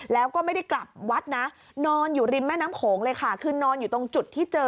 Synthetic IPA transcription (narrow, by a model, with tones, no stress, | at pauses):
lɛː˦˥wkɔː˥˩ma˥˩jda˥˩jkla˨˩p̚wa˦˥t̪̚na˦˥ | nɔː˧njuː˨˩ɾi˧mːɛː˥˩naː˦˥mkʰoː˩˦ŋlɤː˧jkʰa˦˥˩kʰɯː˧nɔː˧njuː˨˩t̪o˧ŋt͡ɕu˨˩t̪ʰːiː˥˩t͡ɕɤː˧